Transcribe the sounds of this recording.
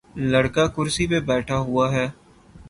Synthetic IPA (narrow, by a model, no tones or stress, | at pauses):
ləɽkakʊɾsipebɛːʈʰaɦʊaːɦɛː